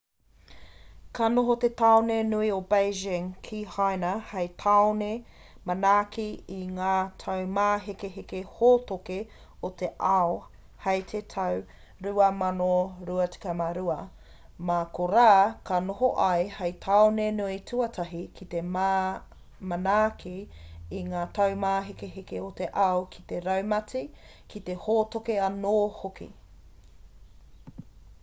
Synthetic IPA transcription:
kʰanoɦot̪et̪aonenuiobejd͡ʒɪŋkʰihajnɐhɐjt̪ʰaone | mɐnaːkiiŋaːt̪ʰɐwmaːɦekeɦekehoːt̪oke | ot̪e̞ʔao | hɐjt̪ʰetʰɐw | ɾuɐmanoɾuɐt͡si̥kɐmaɾuɐ | makoɾaːkɐnoɦoʔɐjhɐjt̪ʰɐonenuitʰuɐtʰɐɦikʰit̪ema | mɐnaːkʰiiŋaːt̪ɐwmaːɦekeɦekeot̪e̞ʔɐokʰi̥t̪eɾɐwmɐt͡si | kit̪e̞hoːt̪okeɐnoːhokḭ

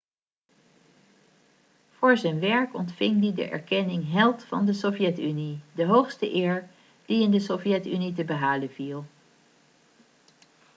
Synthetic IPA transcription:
v̥ʊːɹzɛjnʋɛɹkɔntfɪŋdidə̰ʔɛ̰ɹkɛnɪŋɦɛlˠtfɑ̰ndəsovjɛtynidəɦowχstəʔɪːɹ | d̥iɪndəsovjɛtynitəbəɦaːlənvilˠ

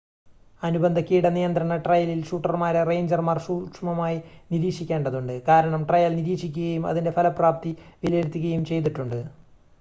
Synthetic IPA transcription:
ɐnubɐnd̪ʱɐkʲːijiɽenijɐnd̪ɾɐɳɐʈrɐjɐlilʂuːʈːɐrmaːɾere̞jɲd͡ʑɐrmaːrɕuːkʂmɐmaːjiniɾiːʂikʲːe̞ːɳɖɐðuɳɖɨkaːɾɐɳɐmʈrɐjalniɾiːʂikʲːuɣɐjumɐ̰ðinde̞pʰɐlɐpraːp̚t̪iʋiljeɾut̪ːuɣɐjumt͡ɕe̞jt̪̬iʈːuɳɖɨ

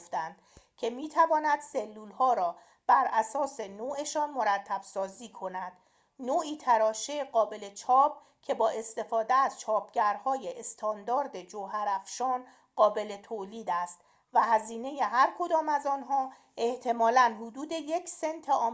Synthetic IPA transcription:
ft̪ænd̪̥cʰe̞miːt̪ʰævɒːnæd̪̥selːuːlhɒːɾɒː | b̥æɾʔæsɒːse̞noːʔe̞ʃɒːnmo̞ɾæt̪ʰːæb̥sɒːziːkʰo̞næd̪̥ | noːiːt̪ʰæɾɒːʃeɢɒːbe̞le̞t͡ʃʰɒːb̥̚ | cʲʰe̞bɒːʔe̞st̪e̞fɒːd̪eæz̥t͡ʃʰɒːpʰɟæɾhɒːjeʔest̪ʰɒːnd̪ɒːɾd̪e̞d͡ʒoɦæɾæfʃɒːn | ɢɒːbe̞le̞t̪ʰoːliːd̪æst̪ | væɦæziːne̞je̞ɦæɾkʰo̞d̪ɒːmæzɒːnɦɒː | ʔeht̪ʰe̞mɒːlænɦod̪uːd̪e̞je̞cʰsent̪ʰeʔɒː

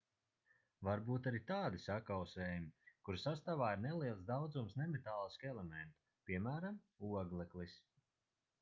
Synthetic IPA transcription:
vaɾbuːt̪aɾit̪aːd̪isakawsɛːjumikuɾsast̪avaːiɾneɛlˠiɛlˠsd̪awd̪zumsnɛmɛt̪aːlˠiskɛlˠɛmɛnt̪ | pʲiɛmæːɾam | uɔɡlˠɛklis

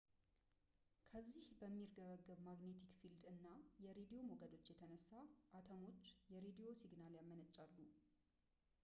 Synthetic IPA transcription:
kʰəzːihbəmːirɡəβəɡːəβmaɡne̞t̪ʰikfild̪ɨnːajɛɾed̪ijo̞moɡəd̪o̞t͡ʃːjɛt̪ʰənəsːaʔat̪ʰəmo̞t͡ʃːjɛɾed̪ijo̞siɡnaljamːənət͡ʃʼːalːu

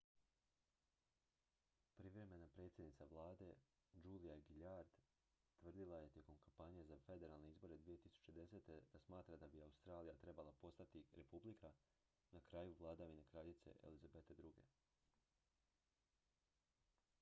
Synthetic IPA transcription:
pɾiʋɾe̞me̞napɾe̞t̪sʲjed̪nit̪saʋlˠaːd̪e̞ | d͡ʒulijaɡiʎaɾd̪ | t̪ʋr̩d̪ilˠaje̞t̪je̞ko̞mkampaɲijezafe̞d̪e̞ɾalˠne̞izbo̞ɾe̞d̪ʋije̞t̪isu̥t͡ɕe̞d̪e̞se̞ːt̪e̞d̪̥asmaːt̪ɾad̪abiaust̪ɾaːlijat̪ɾe̞balˠapo̞st̪at̪iɾepublikʰa | nakɾajuʋlˠad̪aʋinekɾaʎit̪se̞̰ʔḛlizabet̪ed̪ɾuɡe̞̰

